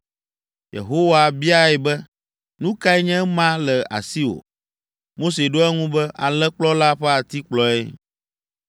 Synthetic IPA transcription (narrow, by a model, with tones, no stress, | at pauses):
jḛ˨ɦo˦wa˨bi˦a˦ɛ˨bɛ˦ | nũ˦ka˦ɛ˦ɲɛ̃˦mã˦lɛ˨a̰˨si˦wo̰˨ | mo˦se˨ɖo˦ɛ˦ŋũ˦bɛ˦ʔa˨lɛ˦k͡plɔ˦la˦ɸɛ˦a˨t̪i˦k͡plɔ˦ɛ˦